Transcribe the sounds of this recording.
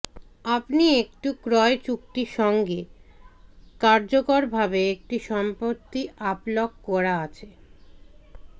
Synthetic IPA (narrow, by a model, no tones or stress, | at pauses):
apniek̚ʈukɾɔet͡ɕuk̚ʈiʃɔŋɡe | kaɾd͡ʑokoɾbʱabeek̚ʈiʃɔmpoɾt̪iaplokkɔɾaat͡ɕʰe